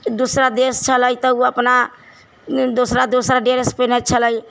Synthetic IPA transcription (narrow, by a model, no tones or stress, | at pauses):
d̪usɾad̪est͡ʃʰələjt̪əuəpna | d̪osɾad̪osɾaɖeɾespenət͡ʃʰələj